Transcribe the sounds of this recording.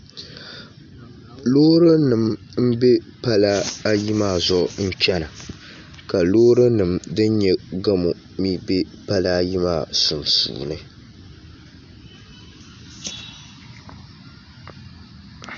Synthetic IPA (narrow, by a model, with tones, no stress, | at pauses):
loː˦ɾɨ˦nɨ˨m | m̩˦be˦ | pa˦la˦a˦ji˦maː˦˨zɔ˦n̩˦t͡ʃɛ˦na˨ | ka˨lo˦ɾɨ˦nɨ˨mdɨ˦n˦ɲɛ˨ɡa˦mo˨ | mi˦be˦pa˦la˦ji˦maː˦˨su˨nsṵː˨nɨ˦